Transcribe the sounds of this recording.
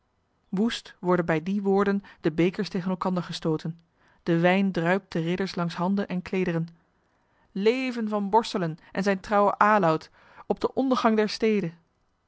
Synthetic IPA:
ʋustʋɔɹdənbɛjdiʋʊːɹdəndəbejkəɹstejχənɛlˠkɑndəɹχəstowtən | d̥əʋɛjndrœɥp̚t̚dərɪdəɹslɑŋsɦɑndənʔɛnkleːjdərən | lejvənvɑnbɔɹstələnʔɛnzɛjntrɑwəʔaːlɔwt | ɔb̚dəʔɔndəɹχɑŋdɛɹstejdə

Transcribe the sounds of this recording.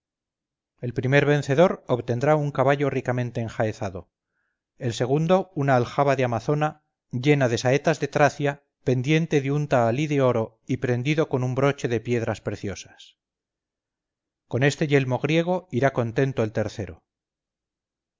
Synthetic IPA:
e̞lpɾime̞ɾβe̞n̟θe̞ðo̞ɾoβt̪e̞nd̪ɾauŋkaβaʎo̞rikamẽnt̪e̞ːŋxaeθaðo̞ | e̞lse̞ɣ̞und̪o̞unaːlxaβaðeamaθo̞na | ʎe̞naðe̞sae̞t̪azðe̞t̪ɾaθja | pe̞nd̪je̞nt̪e̞ðeunt̪aːliðe̞o̞ɾo | ipɾe̞nd̪iðo̞ko̞numbɾo̞t͡ʃe̞ðe̞pje̞ðɾaspɾe̞θjo̞sḁs | ko̞ne̞st̪e̞ʝe̞lmo̞ɣ̞ɾje̞ɣ̞o̞iɾako̞nt̪e̞nt̪oelt̪e̞ɾθe̞ɾo̞̰

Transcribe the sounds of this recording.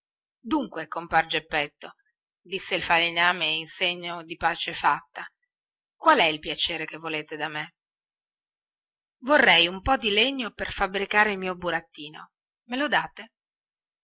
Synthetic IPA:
d̪uŋkwekompaɾed͡ʒepːɛt̪ːo | d̪isːeilfalinaːmeinseɲːod̪ipaːt͡ʃefat̪ːa | kwalɛilpjat͡ʃeːɾekevːoleːt̪ed̪ame | vorːɛjumpɔd̪ileɲːoperfabɾikaːɾeilmiːobuɾat̪ːiːno̰ | melod̪aːt̪e

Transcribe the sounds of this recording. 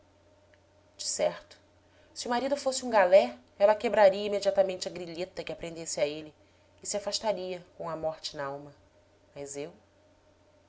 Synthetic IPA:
d͡ʒɪsɛɾt̪ʊ̥ | sɪʊmaɾid̪ʊfosɪũɡalɛ | ɛlɐkebɾaɾiɐimed͡ʒiat̪amẽnt͡ʃɪɐɡɾiʎet̪ɐkɪapɾẽnd̪esɪaelɪː | sɪafaʃt̪aɾiɐkõw̃ɐmɔɾt͡ʃɪnɐawmɐ | mɐzew

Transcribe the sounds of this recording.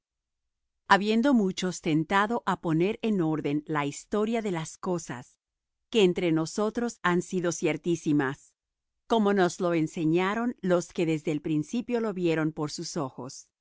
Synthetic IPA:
aβje̞nd̪o̞mut͡ʃo̞st̪e̞nt̪aðo̞ʔapo̞ne̞ɾeno̞ɾðe̞nlaist̪o̞ɾjaðe̞lasko̞sa̰s | ke̞ːnt̪ɾe̞no̞so̞t̪ɾo̞sansiðosje̞ɾt̪isimas | ko̞mo̞nozlo̞enseɲaɾo̞nlo̞ske̞ðe̞zðe̞ːlpɾinsipjo̞lo̞βje̞ɾo̞mpo̞ɾsuso̞xo̞̰s

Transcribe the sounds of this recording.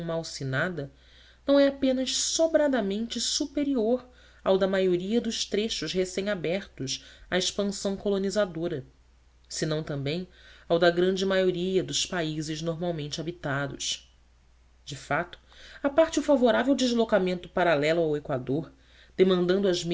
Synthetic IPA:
mawsinad̪ɐ | nɐ̃w̃ɛapẽnɐʃsobɾad̪ɐmẽnt͡ʃɪsupeɾioɾ | awd̪ɐmajoɾiɐd̪ʊʃt̪ɾeʃʊʃɦesẽj̃abɛɾt̪ʊʃaiʃpɐ̃sɐ̃w̃kolonizad̪oɾɐ | sɪnɐ̃w̃t̪ɐ̃mbẽj̃awd̪ɐɡɾɐ̃nd͡ʒɪmajoɾiɐd̪ʊspaizɪznoɾmawmẽnt͡ʃɪabit̪ad̪ʊ̰ʃ | d͡ʒɪfat̪ʊ̥apaɾt͡ʃɪʊfavoɾavewd͡ʒɪʒlokamẽnt̪ʊpaɾalɛlʊawekwad̪oɾ | d̪̥emɐ̃nd̪ɐ̃nd̪ʊɐzm

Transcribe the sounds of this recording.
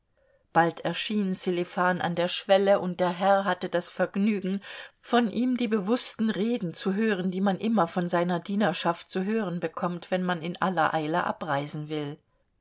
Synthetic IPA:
b̥altʰɛɐʃiːnselefaːnʔa̰ndeːɐʃv̥ɛləʔʊnt̚d̥eːɐɦɛɐɦatədasfɛɐɡnyːɡŋ̩fɔnʔiːmdiːbəvʊstn̩ʁeːdn̩t͡suɦøːʁ̞əndiːmanʔɪmɐfɔnzaɪnɐdiːnɐʃaft̚t͡suɦøːʁənbəkʰɔmtv̥ɛnmanɪnʔa̰lɐʔaɪlə̰ʔa̰pʁaɪzn̩vɪl

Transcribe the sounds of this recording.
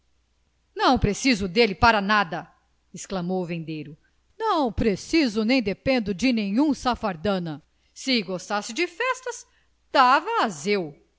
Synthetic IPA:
nɐ̃w̃pɾesizʊd̪elɪpaɾɐnad̪ɐ | ɪsklɐmowvẽnd̪ejɾʊ | nɐ̃w̃pɾesizʊnẽj̃d̪epẽnd̪ʊd͡ʒɪnẽɲũsafaɾd̪ɐ̃nɐ | sɪɡost̪asɪd͡ʒɪfɛst̪ɐs | d̪̥avɐːzew

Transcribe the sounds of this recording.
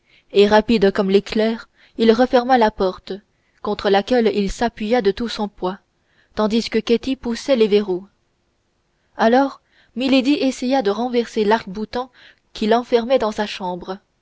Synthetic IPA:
eʁapid̪kɔmleklɛːʁ | ilʁəfɛʁmalapɔʁt̪ | kɔ̃t̪χəlakʲɛlilsapɥijad̪ət̪usɔ̃pwa | t̪ɑ̃d̪iskətket̪ipusɛleveʁu | alɔːʁ | miled̪iʔesɛjad̪əʁɑ̃vɛʁselaʁkbut̪ɑ̃ | kʲʰilɑ̃fɛʁmɛd̪ɑ̃saʃɑ̃ːbʁə

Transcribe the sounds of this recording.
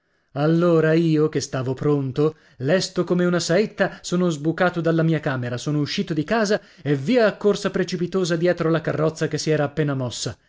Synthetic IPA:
alːoːɾaiːokest̪aːvopɾont̪o | lɛst̪okomeunasaet̪ːasoːnozbukaːt̪od̪alːamiːakaːmeɾasoːnouʃːiːt̪od̪ikaːza | evːiːaːkːorsapɾet͡ʃipit̪oːzad̪jɛːt̪ɾolakarːɔt̪sːakesːiɛːɾaːpːeːnamɔsːa

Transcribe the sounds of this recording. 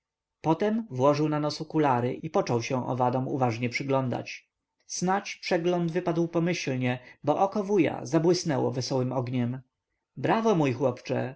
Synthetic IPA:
pɔt̪ɛmvwɔʐɘwnanɔsukulaɾɘ̰ʔipɔt͡ʂɔwɕɛ̃w̃ʔɔ̰vad̪ɔ̃mṵvaʐɲɛpʂɘɡlɔnd̪a̰t͡ɕ | snat͡ɕpʂɛɡlɔnd̪vɘpad̪wpɔmɘɕlɲɛbɔʔɔkɔvuja̰zabwɘsnɛwɔ̰vɛsɔwɘmɔɡɲɛm | bɾavɔmujxwɔpt͡ʂɛ̰

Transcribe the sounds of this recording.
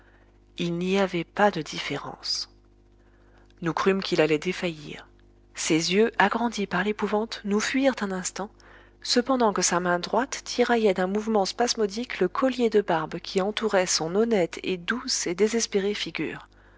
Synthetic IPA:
ilniavɛpad̪əd̪ifeʁɑ̰̃s | nukχymkʲʰilalɛd̪efajḭʁ | sezjøʔaɡʁɑ̃d̪ipaʁlepuvɑ̃t̪nufɥiʁt̪ɛ̃nɛ̃st̪ɑ̃ | səpɑ̃d̪ɑ̃kəsamɛ̃d̪ʁwat̪ːiʁajɛd̪ɛ̃muvmɑ̃spasmɔd̪ikləkʰɔljed̪əbaʁbkʲʰiɑ̃t̪uʁɛsɔ̃nɔnɛt̪ʰḛd̪used̪ezɛspeʁefiɡʲy̰ːʁ

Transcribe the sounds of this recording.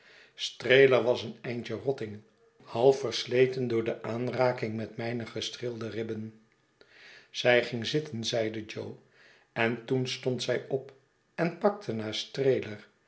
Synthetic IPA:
strejləɹʋɑsənɛjnt͡ʃərɔtɪŋ | hɑlˠfəɹslejtəndʊːɹdəʔaːnraːkɪŋmɛtmɛjnəχəstrɪlˠdərɪbən | z̥ɛjχɪŋzɪtənzɛjdəd͡ʒow | ɛntunstɔntsɛjɔp | ɛnpɑk̚tʰənaːɹstrejlər

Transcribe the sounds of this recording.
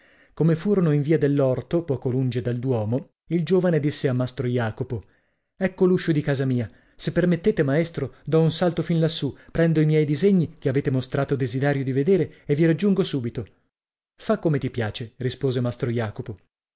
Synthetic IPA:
komefuːɾonoiɱviːad̪elːɔrt̪opɔːkolund͡ʒed̪ald̪wɔːmo | ild͡ʒoːvaned̪isːeamːast̪ɾojaːkopo | ɛkːoluʃːod̪ikaːzamiːa | sepːermet̪ːeːt̪emaest̪ɾod̪ɔunsalt̪ofinlasːupɾɛnd̪oimjɛjd̪izeɲːikeaveːt̪emost̪ɾaːt̪od̪ezid̪ɛːɾjod̪ived̪eːɾeeviɾad͡ʒːuŋɡosuːbit̪o | fakːomet̪ipjaːt͡ʃerispoːzemast̪ɾojaːkopo

